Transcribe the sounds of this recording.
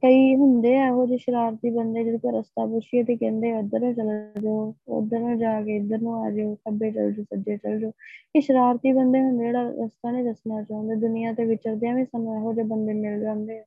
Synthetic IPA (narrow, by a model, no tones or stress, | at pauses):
kəiːɦʊnd̪eːɛːɦoːd͡ʒeːʃəɾaːɾt̪iːbənd̪eːd͡ʒed̪oːkeɾəst̪aːpʊʃiːɛt̪eːkɛ̃ːnd̪eːəd̪əɾnũːt͡ʃəld͡ʒoːə̰d̪əɾnũːd͡ʒaːɡeːɪd̪əɾnũːɛːd͡ʒoːsəbeːt͡ʃə̰ld͡ʒoːsəd͡ʒeːt͡ʃəld͡ʒoːkɪʃəɾaːɾt̪iːbənd̪eːɦʊ̃nd̪eːd͡ʒeːɽaːɾəst̪aːnĩːɾəsnaːt͡ʃãːnd̪eːd̪ʊnɪjãːt̪eːʋɪt͡ʃəɾd̪eãːʋĩːsənũːɛːɦoːd͡ʒoːbənd̪eːmɪld͡ʒãːnd̪eːɛː